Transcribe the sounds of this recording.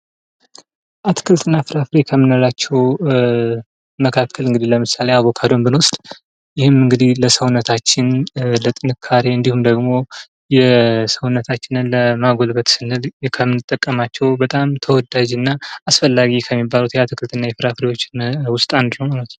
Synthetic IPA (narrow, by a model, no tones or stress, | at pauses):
ʔat̪ʰɨ̥kʰɨlt̪ʰʼɨnːafɨɾafɨɾekʰəmːɨnəlat͡ʃːɛw | məkʰakʰːəlɨŋɡɨd̪ihləmɨsale̞aβokʰad̪o̞mbɨnwɔst̪ʼ | jɪhɨmɨŋɡɨd̪ihləsəwnət̪ʰat͡ʃːɪnlət̪ʼɨnɨkʰːaɾeɨnd̪ihumd̪əɡmo̞ | jɛsəwnːət̪ʰat͡ʃːɪnɨnləmaɡolbət̪sɨnɨlkʰəmɨnːɨt̪ʼːəkʼːəmat͡ʃːɛwbət̪ʼamt̪ʰəwɔd̪ad͡ʒɨnːaːsfəlːaɡikʰəmːibːalut̪jɛat̪ʰɨkʰɨlt̪ʰɨnːajɛfɨɾafɨɾewo̞t͡ʃːɪnwʊst̪ʼand̪ɨnəwmalət̪n